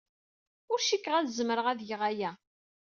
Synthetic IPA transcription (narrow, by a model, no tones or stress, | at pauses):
ʊɾʃikːʁæðzməɾəʁæðjəʁæjæ